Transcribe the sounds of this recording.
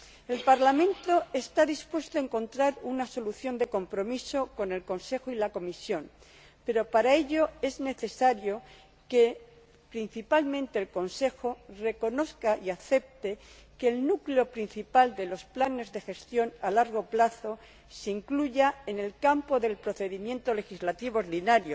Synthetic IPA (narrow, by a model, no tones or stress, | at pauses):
e̞lpaɾlamẽnt̪o̞e̞st̪aðispwe̞st̪oaeŋkõ̞nt̪ɾaɾunaso̞luθjo̞nd̪e̞ko̞mpɾo̞miso̞ko̞ne̞lko̞nse̞xoilako̞misjo̞n | pe̞ɾo̞paɾae̞ʎo̞e̞zne̞θe̞saɾjo̞ | ke̞ | pɾin̟θipalmẽnt̪e̞ːlko̞nse̞xo̞re̞ko̞no̞θkaiaθe̞p̚t̪e̞keːlnukleo̞pɾin̟θipald̪e̞lo̞splane̞zðe̞xe̞st̪jo̞nalaɾɣ̞o̞plaθo̞ | seiŋkluʝae̞ne̞lkampo̞ðe̞lpɾoθe̞ðimjẽ̞nt̪o̞le̞xizlat̪iβ̞ooɾðinaɾjo